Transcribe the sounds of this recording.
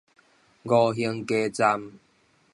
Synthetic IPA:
ɡɔ˧˩ɦi˧ŋke˦t͡sa˧m

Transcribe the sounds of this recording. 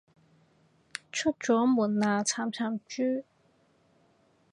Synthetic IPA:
t͡ʃʰɵ˥t̚t͡ʃɔː˨˥muː˨˩nnaː˨˧t͡sʰaː˨˥mt͡sʰaː˨˥mt͡ʃyː˥

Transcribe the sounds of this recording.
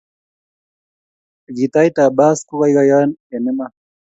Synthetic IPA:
ɡi˨t̪a˦jta˨ba˦sku˦ka˦i˦ɣa˦ja˦nɛ˨nɛ˦ma˨

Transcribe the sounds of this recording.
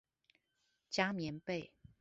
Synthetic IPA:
t͡ɕja˥˦mjɛ˧˦npe˥˨ɪ

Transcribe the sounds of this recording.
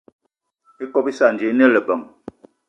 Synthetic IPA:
i˦kɔ˦˨pi˦sa˦˨n̩˨d͡ʒe˨˦ne˦lə˨bə˨ŋ

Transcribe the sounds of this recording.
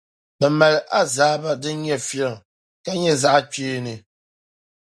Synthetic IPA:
bə˨mɛ˨lʔa˦zaː˨˦ba˦dɨ˦ɲɛ˦fjɛ˦˨ | ka˦ɲɛ˦za˦ʔa˦t͡ʃeː˦˨nɨ˨

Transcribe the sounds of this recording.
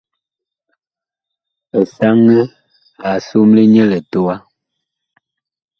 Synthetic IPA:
ɛ˨sa˦ŋə˦ | a˨su˦mle˦ɲɛ˦lɛ˨to˨˦a˦

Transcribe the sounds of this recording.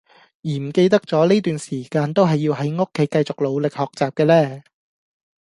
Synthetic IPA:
jiː˨˩m̩˨˩ke˧jt̪̬ɐ˥k̚t͡sɔː˨˥liː˥t̪yː˨nsiː˨˩kaː˧nt̪o˥wɦɐ˨jːiː˧wɦɐ˨˥jŋo˥kʰːe˨˥jkɐ˧jt͡sʊ˨k̚lo˨˧wlɪ˨k̚hɔː˨˩k̚t͡saː˨p̚kɛː˧lɛː˥˩

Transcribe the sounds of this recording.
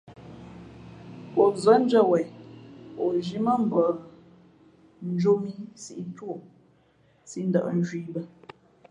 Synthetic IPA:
o˨zə˨˦n̩˦d͡ʒə˦˨wɛ˨j | o˨ʒi˦mə˦m̩˨bə˨ | n̩˦d͡ʒo˦mi˦si˦ʔi˦two˦˨ | si˦n̩˦də̰˨ʔə˨˦n˦ʒwiː˦bə˦

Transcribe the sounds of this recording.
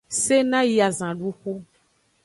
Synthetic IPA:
se˦nã˦ji˦a˨zã˨ɖu˦xu˦

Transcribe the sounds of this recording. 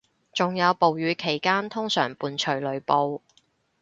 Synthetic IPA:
t͡sʊ˨ŋjɐ˨˧wpo˨wjyː˨˧˥kʰe˨˩jkaː˥nt̪ʰʊ˥ŋsœ̰ː˨˩ŋpuː˧nt͡ʃʰɵ˨˩ɥlɵ˨˧ɥpo˧w

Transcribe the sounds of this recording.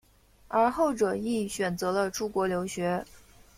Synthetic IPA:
ə˞˧˥xo˥˩ʊʈ͡ʂɤ˨˩i˥˩ɕɥɛ˨˩nt͡sɤ˧˥lə˧ʈ͡ʂʰu˥kwɔ˧˥ljo˧˥ʊɕɥɛ˧˥

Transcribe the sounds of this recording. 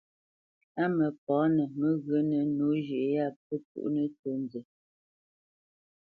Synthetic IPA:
a˦mə˨p̚ɔ˨˦nə˨mə˨ɣə˨˦nə˨nu˨˦ʒe˨ʔe˨˦a˦˨pə˦tṵ˦ʔnə˨to˦nd͡ze˨

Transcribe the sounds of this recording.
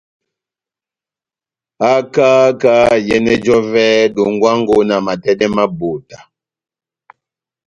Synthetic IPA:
a˦ka˦ka˦jɛ˦nɛ˦d͡ʒɔ˦vɛ˦do˨ŋɡwa˦ŋɡo˦na˨ma˨tɛ˦dɛ˦ma˦bo˨ta˨

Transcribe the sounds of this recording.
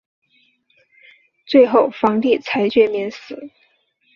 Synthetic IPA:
t͡swe˥˧ɪxo˥˩ʊfɑ˧˥ŋt̪i˥˩t͡sʰa˧˥ɪt͡ɕɥɛ˥˧˥mjɛ˧˥nsɹ̩˨˦

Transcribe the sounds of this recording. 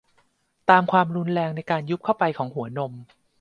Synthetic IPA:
t̪aː˧mkʰwaː˧mɾu˧nɾɛː˧ŋna˧jkaː˧nju˦˥p̚kʰa˥˩wpa˧jkʰɔː˩˦ŋɦu˩˦ɐno˧m

